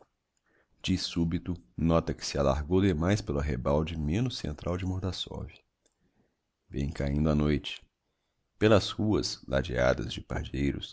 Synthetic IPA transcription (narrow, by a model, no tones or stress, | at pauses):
d͡ʒɪsubit̪ʊnɔt̪ɐkɪ̥sɪala̰ɾɡowd̪emajspelʊaɦebawd͡ʒɪmẽnʊsːḛ̃nt̪ɾʔawd͡ʒɪmoɾd̪asɔ̰v | bḛ̃j̃kaĩnd̪ʊanojt͡ʃɪ̥ | pelɐshuɐsla̰d͡ʒia̰d̪ɐ̰zd͡ʒɪpa̰ɾd͡ʒejɾʊs